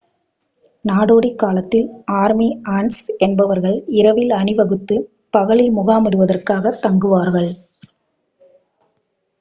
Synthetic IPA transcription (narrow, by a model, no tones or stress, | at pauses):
naːɽoːɽikːaːlɐt̪ːɪlaːɾmiaːnsɛnbɐʋɐɾɣɐɭɪɾɐʋɪlɐɳɪʋɐɣɯt̪ːɯ | pɐɣɐɭɪlmʊɣaːmɐɽɯʋɐðɐrkaːɣɐt̪ːɐŋɡɯʋaːɾɣɐɭ